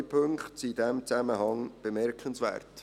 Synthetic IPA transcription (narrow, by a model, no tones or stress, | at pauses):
pʰɵŋkχtsidɛmt͡sæməɦɑŋb̥əmɛɾkχənsvɛ̰ːrt